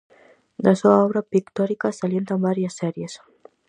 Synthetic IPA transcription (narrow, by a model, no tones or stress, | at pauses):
laseaɔβɾapikt̪ɔɾikasaljent̪ambaɾjəsːɛɾjes